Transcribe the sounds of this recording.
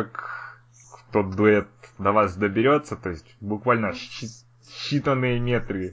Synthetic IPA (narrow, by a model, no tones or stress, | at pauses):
akː | t̪od̪ʊɛt̪̚d̪ɐvasd̪əbʲɪɾʲo̞t̪sːət̪o̞ɪsʲtʲbʊkvalʲnəɕi | ɕːit̪ənːɨjəmʲet̪ɾɨ